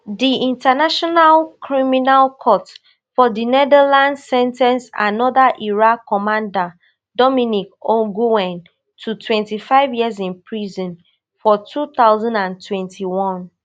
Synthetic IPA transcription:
diĩntanaʃɔnalkʰɹiminalkʰɔt | fɔdinɛdɛlãnsɛ̃ntɛ̃nsa̰nɔdaʔiɹakɔmãnda | dɔmĩnikɔɡuɛ̃n | tʰutʰwɛ̃ntifaɪvjizĩnpʰɹizɔ̃n | fɔtʰuθaʊzãndãntʰwɛ̃ntʰiwɔ̃n

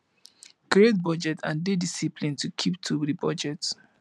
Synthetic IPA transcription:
kiet̚bɔd͡ʒɛtʰãndedisipʰlĩntukʰip̚tʰudibɔd͡ʒɛt

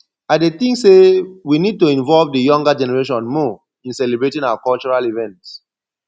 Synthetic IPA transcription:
adeθĩŋsewinid̚tuĩɱvɔlvdəjɔ̃ŋɡad͡ʒɛnɛɹeʃɔ̃nmɔ | ĩnsɛlebɹetĩŋawakɔlt͡ʃɔɹalivɛ̃nts

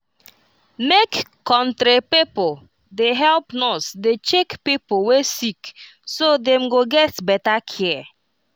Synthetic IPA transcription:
mekkɔ̃ntɾepipo | deɦɛlpnɔsdet͡ʃekpipowesik | sodẽm̩ɡoɡɛtbɛtakʰɛ

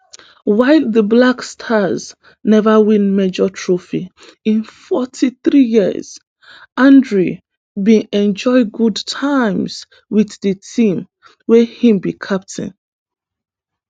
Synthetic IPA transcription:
waɪlðəblakstʰaz | nɛvəwĩnmed͡ʒɔtʰɹofi | ĩnfɔtʰiθɹijiə̰z̥ | ãndɹu | bĩɛ̃nd͡ʒɔɪɡudtʰaɪ̃mz | wiθðətʰĩm | wɛhĩmbikʰap̚tʰḭ̃n

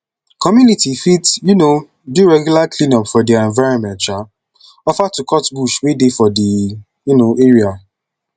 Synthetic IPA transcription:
kɔmjunitifitjuno | duɹɛɡjulaklĩnɔpfɔdiɛ̃nvaɹɔ̃nmɛ̃ntt͡ʃa | ɔfatukʰɔtbuʃwedefɔdi | junoeɹia

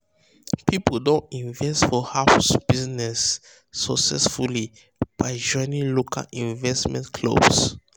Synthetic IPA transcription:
pʰipodõntĩnvɛstfɔhafsb̥iznɛsː | ɔksɛsfuli | b̥aɪd͡ʒɔ̃ɪ̃nĩŋlokʰa̰lĩnvɛstmɛ̰̃nkʰlo̰bs

